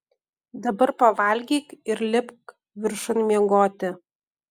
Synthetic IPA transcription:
d̪ɐbɐrpɐʋɑlʲɡʲiːkɪɾlʲɪpk | ʋʲɪrʃonmʲeɛŋɡoːt̪ʲɪ

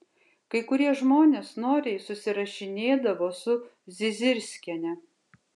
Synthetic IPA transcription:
kɐɪkʊɾʲiɛʒmoːnʲeːsnoːɾʲɛɪsʊsʲɪɾɐʃʲɪnʲeːd̪ɐʋoːsʊ | zʲɪzʲɪɾʲsʲkʲɛnʲɛ

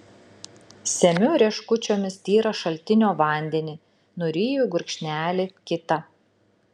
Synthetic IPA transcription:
sʲɛmʲʊɾʲiɛʃkʊt͡ʃʲoːmʲɪst̪ʲiːɾɐʃɐlʲt̪ʲɪnʲoːʋɐˑnʲd̪ʲɛnʲiː | nʊɾʲiːjuˑɡʊɾʲkʃʲnʲæːlʲɪkʲɪt̪ɐ

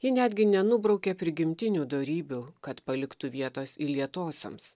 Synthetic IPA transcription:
jɪnʲæːd̪ʲɡʲɪnʲɛnʊbɾɐʊkʲepʲɾʲɪɡʲɪmʲt̪ʲɪnʲuːd̪oːɾʲiːbʲuːkɐt̪pɐlʲɪkt̪uʋʲiɛt̪oːsilʲiɛt̪oːsʲo̰ːms

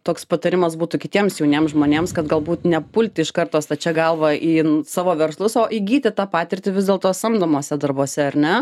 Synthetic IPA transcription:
t̪oːkspɐt̪ɐɾʲɪmɐsbuːt̪ʊkʲɪt̪ʲiɛmsjɛʊnʲeːmsʒmoːnʲeːmskɐt̪ɡɐlˠbuːt̪nʲɛpʊlʲt̪ʲɪɪʃkɐrt̪oːst̪ɐt͡ʃʲɛɡɐlˠʋɐʔiːsɑːʋoːʋʲɛɾslˠʊsoːʔiːɡʲiːt̪ʲɪt̪ɑːpɑːt̪ʲɪɾʲt̪ʲɪʋʲɪzd̪ʲeːlˠt̪oːsɐmd̪ɐmoːsʲɛd̪ɐɾboːsʲɛɐɾʲnʲɛ

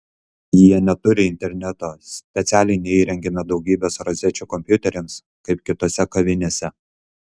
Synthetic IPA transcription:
jiɛnʲɛt̪ʊɾʲɪɪnʲt̪ʲɛɾʲnʲɛt̪oːsʲpʲɛt̪sʲæːlʲɪnʲɛiːɾʲɛŋʲɡʲɛmʲɛd̪ɒʊɡʲiːbʲeːsɾɐzʲɛt͡ʃʲuːkɔmʲpʲjʊt̪ʲɛɾʲɛms | kɐɪp̚kʲɪt̪oːsʲɛkɐʋʲɪnʲeːsʲɛ

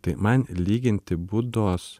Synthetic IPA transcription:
t̪ɪmænliːɡənt̪ʰɪbʊd̪os

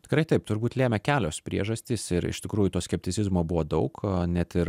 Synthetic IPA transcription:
t̪ʲɪ̥kɾɐɪt̪ɐɪpt̪ʊɾbuːt̪lʲeːmʲɛkʲæːlʲoːspʲɾʲḭɛʒɐsʲt̪ʲiːsɪɾɪ̰ʃt̪ʲɪkɾuːjut̪oːsʲkʲɛpʲt̪ʲɪt͡s̪ʲsʲɪzmoːbʊʋoːd̪ɐʊknʲɛt̪ɪɾ

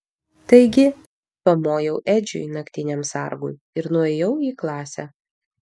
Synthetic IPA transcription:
t̪ɐɪɡʲɪ | pɐmoːjɛʊʔɛːd͡ʒʲʊ̰ɪnɐkʲt̪ʲɪnʲɛmsɑ̰ˑɾɡʊ̰ɪ | ɪɾnʊɛːjɛʊiːklˠɑːsʲɛ

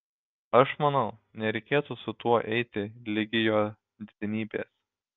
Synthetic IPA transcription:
ɐʃmɐnɐʊnʲɛɾʲɛɪkʲeːt̪usʊt̪uɔʔɛɪt̪ʲɪlʲɪɡʲɪjoː | d̪ʲɪd̪ʲɪnʲiːbʲeːs

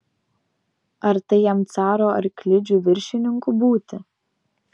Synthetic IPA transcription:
ɐɾt̪ɐɪjɛmt̪sɑːɾoːɐ̰ɾkʲlʲɪd͡ʒʲuːʋʲɪɾʲʃʲɪnʲɪŋkubuːt̪ʲɪ

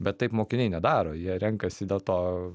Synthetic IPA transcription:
bʲɛt̪t̪ːɐɪpmoːkʲɪnʲɛɪnʲɛd̪ɑːɾoːjiɛɾʲɛŋkɐsʲɪd̪ʲeːlˠt̪oː

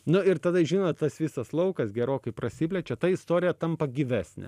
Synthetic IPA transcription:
nʊɪɾt̪ɐd̪ɐʒʲiːnoːt̪t̪ːɐsʋʲiːsɐslˠɐʊkɐsɡʲɛɾoːkɐɪpɾɐsʲɪpʲlʲɛt͡ʃʲɛt̪ɐɪst̪oːɾʲɪjɛt̪ɐmpɐɡʲɪʋʲæːsʲnʲɛ̰

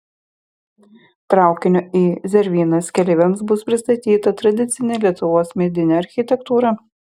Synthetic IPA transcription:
t̪ɾɑˑʊkʲɪnʲoːiːzʲɛɾʲʋʲiːnɐskʲɛlʲɪʋʲɛms̬bʊspʲɾʲɪst̪ɐt̪ʲiːt̪ɐt̪ɾɐd̪ʲɪt̪sʲɪnʲelʲiɛt̪ʊʋoːsmʲɛd̪ʲɪnʲɛɐɾʲxʲɪt̪ʲɛkt̪uːɾɐ

